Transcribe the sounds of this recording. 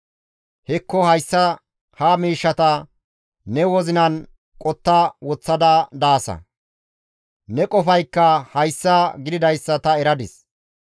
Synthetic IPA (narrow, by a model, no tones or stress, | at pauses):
hɛkːɔhɐjsːɐ | hamiːʃːɐt̪ɐ | nɛwɔzɪnɐn | kʼɔt̪ːɐwɔt͡sːɐd̪ɐd̪aːsɐ̰ | nɛkʼɔfɐjkːɐhɐjsːɐɡɪd̪ɪd̪ɐjsːɐt̪ɐɛɾɐd̪ɪs